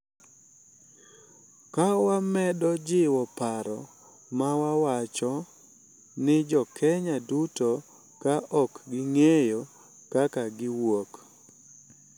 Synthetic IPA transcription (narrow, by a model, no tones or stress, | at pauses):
kawamɛdɔd͡ʒɪwɔpaɾɔ̰ | mawawat͡ʃɔ | nɪd͡ʒɔkʰɛɲaduto | kaʔɔkɡɪŋejo | kakaɡɪwok